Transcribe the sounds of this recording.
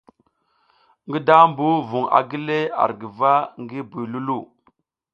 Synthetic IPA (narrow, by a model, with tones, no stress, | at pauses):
ŋɡi˦da˦mbu˦vu˨ŋa̰˨ɡi˦le˦a̰˨ɾɡi˨va˦ŋɡi˦bu˨lu˦lu˦˨